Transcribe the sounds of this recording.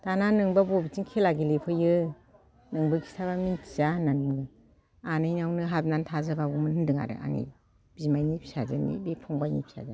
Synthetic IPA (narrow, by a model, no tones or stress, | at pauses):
tananɯŋbabɔbitinkʰelaɡilepʰɯjɯ | nɯŋbɯkʰi̥stʰaβamintʰi̥zananmɡɯ | anɯjnawnɯɦap̚nantʰazabaɡumɯnhɯndɯŋa̰ɾɯ̰ʔa̰ŋḭ | b̥imajnipʰi̥sazanḭbepʰɔŋbajnḭpʰi̥sa̰za̰